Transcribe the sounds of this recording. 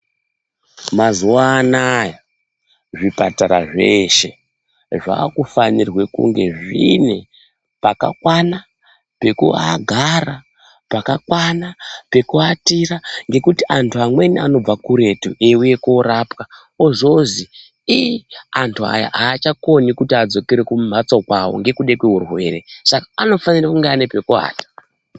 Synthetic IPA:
mazuwaːnaja | ʐipataɾa̰ʐe̞ʃe̞ | ʐa̰ːkufanirwe̞kṵŋɡe̞ʐḭne̞ | paka̰kwana | pe̞kua̰ɡʱara | pakakwanape̞kuatiraŋɡe̞kutiʔantʰuamwe̞niano̞b͡vakuɾe̞tṵeuje̞koɾapka | oʐozi | ijiantʰua̰ja̰ʔaːt͡ʃako̞nikutiad͡zo̞keɾekumm̤ʱat͡sakwawo̰ŋɡe̞kuɗekweɦurwe̞resakaano̞fanirakuŋɡeanepe̞kua̰ːtḁ

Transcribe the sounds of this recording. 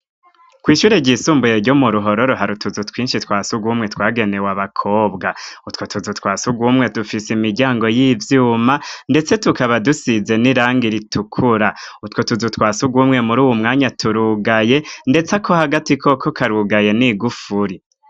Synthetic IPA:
kwiːʃuːɾeɟisuːmbujeɾɟomuɾuɦo̞ɾo̞ɾoɦaɾutuzutʰwiːnʃitwaːsuɡwumŋe̞twaːɡe̞ne̞waβakʰo̞ːbɡautkwotuzutwaːsuɡwumŋe̞tufisimiɾɟaːŋɡo̞jivjuːmande̞t͡se̞tukaβadusize̞niɾaːŋɡiɾitʰukʰuɾautkotuzutwaːsuɡwumŋe̞muɾuːwumŋaːɲatʰuɾuɡaje̞nde̞t͡sakʰo̞haɡatikʰo̞kʰokaɾuɡaje̞niɡufuɾi

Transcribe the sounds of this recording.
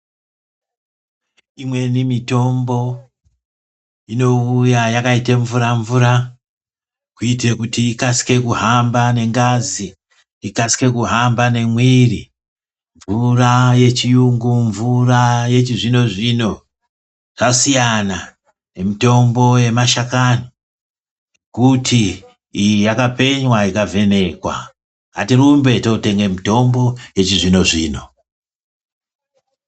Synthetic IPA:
imwe̞nimito̞mbo̞ | ino̞ujajakaiteɱvuɾaɱvuɾa | kuite̞kutiːkasi̥ke̞kuɦambane̞ŋɡaziː | kasi̥ke̞kuɦambane̞mwiri | ɱvuraje̞t͡ʃijuŋɡuɱvuraje̞t͡ʃiʐino̞ʐino̞ | ʐ̥asijana | ne̞mito̞mbo̞je̞maʃakano | kutʰiː | jijakape̞ɲwaikave̞ne̞kwa̰ | ɦatirumbe̞tote̞ŋɡe̞mito̞mbo̞je̞t͡ʃiʐino̞ʐḭːno̞

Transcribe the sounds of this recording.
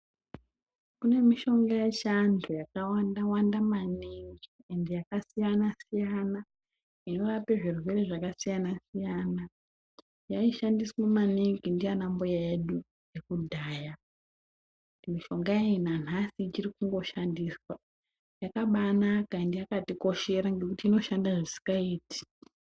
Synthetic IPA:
kune̞miʃo̞ŋɡajeʃantʰujakawandawandamaniŋɡiendejakasijanasijana | ino̞ɾape̞ʐiruwe̞re̞ʐakasijanasijaːna | jaiʃandiswemaneŋɡindijanambojaeɗu | jekudʱaːja | nimiʃo̞ŋɡaeinan̤asit͡ʃirikuŋɡo̞ʃandiswa | jakaɓanakaendejakatiko̞ʃe̞ɾaŋɡe̞kutiːno̞ʃandaʐisi̥kaiːti̥

